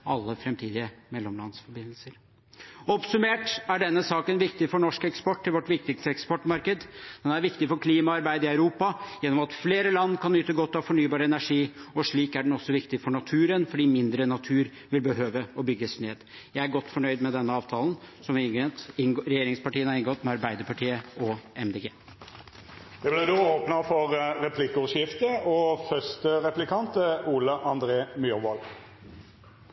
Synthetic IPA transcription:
ɑlːəfɾɛmt̪ʰiːd̪ɪəmɛlːɔmlɑ̰nsfɔɾbɪnːlsəɾ | ɔpsʉmeːʈæɖɛnːəsɑːkənʋɪkt̪ɪfɔɳɔʂkɛkspɔʈːɪlʋɔʈʋɪk̚t̪ɪkst̪əɛkspɔʈːmɑɾkəd̪d̪̥ɛnæɾʋɪkt̪ɪfɔɾkʰliːmɑɑɾbæɪd̪əɪœʉɾuːpɑjɛnːɔmɑt̪fleːɾəlɑnːkʰɑnyːt̪əɡɔt̪ːɑʋfɔɳyːbɑːɾəɛnæʂiːɔʂɭiːkæɖɛnɔsːɔʋɪkt̪ɪfɔɳɑt̪ʰʉːɾənfɔɖiːmɪnd̪ɾənɑt̪ʰʉːɾ | ʋɪlbəɦøːʋəɔbʏɡːəsneːd̪ | jæɪæɾɡɔt̪ːfɔɳœʏd̪mɛd̪ɛnːəɑːʋt̪ʰɑːlnsɔmɪɪŋɡɛnt̪ɪɾɛjeːɾɪŋspɑʈiːənhɑɾɪŋɡɔt̪mɛɑɾbæɪd̪əɾpʰɑʈʰiːəɔɛmd̪eɡeː | d̪̥ɛblɛd̪oːoːpnɑfɔɾɾɛpʰlɪkɔʂɪft̪əɔfœst̪əɾɛplɪkʰɑnt̪əuːləʔɑnd̪ɾeːmʏɾʋɔl

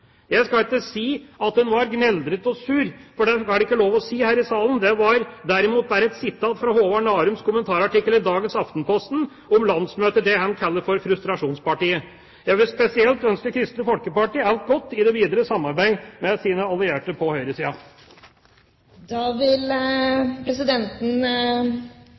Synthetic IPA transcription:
jæɪskɑɪk̪ːəsiːɑt̪hʉnʋɑɾɡnɛld̪ɾət̪ɔsʉːɾfɔɖɛhɑːɖɛɪkːəloːʋɔsiːhæːɾɪsɑːlənd̪ɛʋɑɾd̪æɾɪmuːt̪̚bæːɾɛt̪sɪt̪ːɑt̪fɾɑhoːʋɑɳɑːɾʉmskʰʊmənt̪ʰɑːɾɑʈɪkːələd̪ɑːɡənsɑft̪npʰɔst̪n̩ | ɔmlɑnsmøːt̪əd̪ɛhɛnkʰɛlːəfɔɾfɾʉst̪ɾɑʂuːnspɑʈiːə | jæɪʋɪlspɛsɪɛlt̪œnskəkʰɾɪst̪əfɔlkəpɑʈiːælt̪̚ɡɔt̪ːɪd̪ɛʋiːd̪əɾəsɑmːɑɾbæɪmɛsiːnəɑlɪeːʈəpʰɔhœʏɾəsiːɑ | d̪ɑːʋɪl | pʰɾɛsɪd̪ɛnt̪n̩

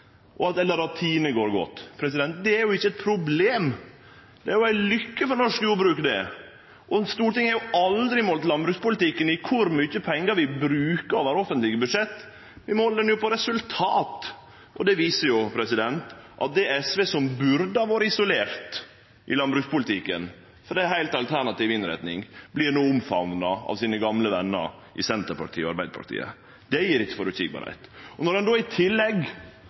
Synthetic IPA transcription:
ʔɔɑt̪ɛlːəɾɑt̪ʰiːnəɡoːɾɡɔ̰t̪ːpʰɾɛs̬ɪd̪ɛnt̪d̪ɛæɾjʊɪçːəɛt̪̚pʰɾʊbleːm | d̪̥ɛæɾjʊæɪlʏkːəfɔɾnɔʂkjuːɾbɾʉːkd̪ɛ̰ | ʔɔst̪uːɾʈ̪ɪŋhæɾjʊɑld̪ɾɪmoːlt̪lɑnbɾʉːkspʊlɪt̪ɪkːənɪkʰʊɾmyçːəpʰɛŋːəɾʋɪbɾʉːkəɾɔʋæɾɔfənt̪lɪɡəbʉd̪ʂɛt̪ː | ʋɪmɔhɔləd̪ɛnjʊpʰɔɾɛsʉlt̪ʰɑːt̪ | ʔɔd̪ɛʋiːsəɾjʊpʰɾɛsɪd̪ɛnt̪ʔɑ̰t̪̚d̪ɛɛsʋeːsɔmbʉɾd̪əɑʋoːɾəɪsʊleːɾt̪ | ʔɪ̰lɑnbɾʉːkspʊlɪt̪ʰikːən | fɔɾd̪ɛɦæɪlt̪ɑlt̪ʰæɳɑt̪ɪːʋɪnɾæ̰t̪nɪŋblɪnuʊmfɑnnəɑ̰ʋsiːnəɡɑmləʋɛnːə̰ɾʔɪsɛnt̪əɾpɑ̰ɾʈt̪ʰiːɔɑɾbæɪd̪əpʰɑ̰ɾʈt̪ḭːə̰ | d̪̥ɛjiːɾɪçːə̥fɔɾʉt̪ʰɪ̰ɡ̚bɑ̰ːɾhæ̰ɪt̪ɔnɔɾɛnd̪oːɪt̪ʰɪlːɛɡ

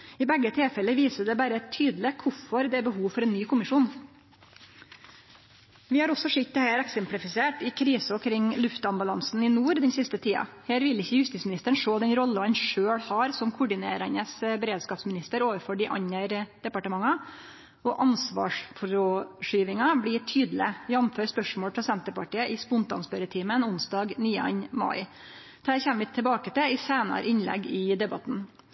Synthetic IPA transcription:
ɪbɛɡːət̪ʰɪlfɛlːəʋiːsəd̪ɛbæɾəɛt̪ʰːyːd̪lɪkʰʊfɔɾd̪ɛæɾbəɦuːʋfɔɾɛːnːyːkʰʊmɪʂuːn | ʋɪhɑːɾɔsːɔʂɪt̪̚ːɛhæːɾæksɛmplɪfɪseːʈɪkʰɾiːsɔkʰɾɪŋlʉft̪ɑmbʉlɑnsn̩ɪnuːɾd̪ɛnsɪst̪ət̪ʰiːɑ̰heːɾʋɪlːɪçːəjʉst̪ɪsmɪnɪst̪əəɳ̩ʂoːd̪ɛnɾɔlːəɑnʂøːɽhɑːɾsɔmkʰʊɖɪnḛːɾæɳəsbəɾeːd̪skɑːpsmɪnɪst̪əɾoːʋəɾfɔɖɪʔɑ̰ɲəɾd̪̥ɛpɑʈəmɑŋːɑ | ʔɔʔɑnsʋɑ̰ːʂfɾoʂyːʋɪŋɑbliːʈ̪ʰyːd̪l̩ɪjɑmføːɾspœʂmoːlpʰɾɑsɛnt̪əpɑʈiːəʔɪspʊnt̪ɑ̰nspøɾət̪ʰiːmənʊnsd̪ɑːɡniːɑ̰nmɑ̰ɪ | d̪hæːɾçɛmːəʋɪt̪ʰɛbɑːkət̪ɪɪseːnɑ̰ɾʔɪnlɛ̰ɡɪd̪ɛbɑt̪n̩

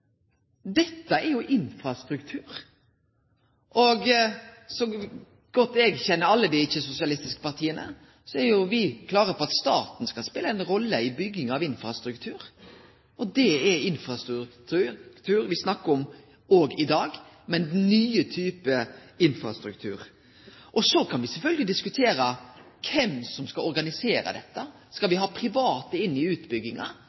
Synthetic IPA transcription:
d̪ɛt̪ːəæɾjʊʔɪnfɾɑst̪ɾʉkt̪ʰʉːɾ | ʔɔɡsɔm | ɡ̥ɔt̪ːɛːɡçɛnːəɾɑlːəd̪ɪɪçːəsʊsɪɑlɪst̪ɪskə̥pɑɾt̪ʰiːənə̰ | sɔæɾjʊʋɪkʰlɑːɾəpɔɑt̪st̪ɑːt̪nskɑlspeːləæɪnɾɔlːəɪbʏɡːɪŋɑʋɪnfɾɑst̪ɾʉkt̪ʰʉːɾ | ɔd̪ɛɛɪnfɾɑst̪ɾʉt̪ʰʉkt̪ʰʉːɾʋɪsnɑkːəɔm | oːɡɪd̪ɑːɡ | mɛnnyːət̪ʰyːpəɪnfɾɑst̪ɾʉkt̪ʰʉ̰ːɾ | ʔɔsɔkʰɑnʋɪsɛlfœlɡəlɪd̪ɪskʉt̪ʰeːɾə | kʰɛmsɔmskɑlɔɾɡɑnɪseːɾə̰d̪ɛt̪ːə | skɑlʋɪɦɑːpʰɾɪʋɑːt̪əɪnːɪʉːt̪bʏɡːɪŋɑ̰

